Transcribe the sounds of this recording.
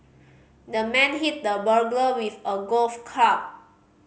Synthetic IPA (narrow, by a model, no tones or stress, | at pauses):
dəmɛ̃nɦit̚dəbəɡləwifəɡolfkʰap̚